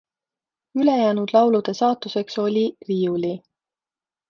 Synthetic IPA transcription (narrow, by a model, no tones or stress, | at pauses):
yle̞jæːnud̪̥lɑwlud̪̥e̞sɑːt̪ːˑuse̞kso̞lʲiriːuli